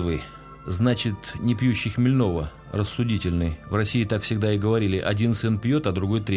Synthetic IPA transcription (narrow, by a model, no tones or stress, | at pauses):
vɨ | znat͡ɕɪt̪nʲɪpjuɕːɪxmʲɪlʲno̞və | rəsːʊdʲitʲɪlʲnɨjvrɐsʲiɪt̪akfsʲɪɡ̚d̪aɪɡəvɐɾʲilʲɪʔɐdʲinsɨnpʲjo̞t̪ɐd̪ɾʊɡo̞jt̪ɾʲe